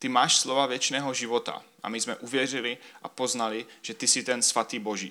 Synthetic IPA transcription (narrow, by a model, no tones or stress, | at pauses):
t̪ɪmaːʃslovavjɛt͡ʃnɛːɦo̞ʒɪvo̞t̪a̰ʔa̰mɪzmɛʔuvjɛr̝ɪlɪʔa̰po̞znalɪʒ̥ɛt̪ɪsɪt̪ɛnsvat̪iːbo̞ʒḭː